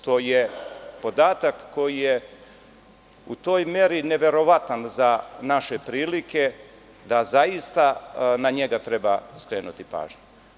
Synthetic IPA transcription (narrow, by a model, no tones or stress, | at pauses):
t̪o̞ːjepo̞d̪aːt̪akːo̞jije | ṵt̪o̞ːjme̞ɾine̞ʋe̞ɾo̞ʋat̪anzanaʃepɾiːlikʰe̞ | d̪azaist̪anaɲe̞ɡat̪ɾe̞baskɾe̞ːnut̪ipa̰ːʒɲu